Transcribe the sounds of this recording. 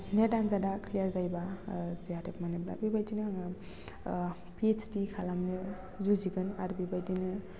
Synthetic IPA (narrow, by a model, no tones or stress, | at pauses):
nedanzadakʰlijaɾzajbazijatepmanebla̰bibajdinɯ | piet͡ʃʰdikʰalamnɯ | zuziɡɯnaɾubibajdinɯ